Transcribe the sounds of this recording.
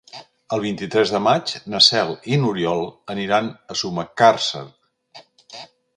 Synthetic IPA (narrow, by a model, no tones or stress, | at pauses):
əlˠβint̪it̪ɾɛzðəmat͡ʃnəsɛlˠinuɾiɔlˠəniɾanəsuməkarsə̰r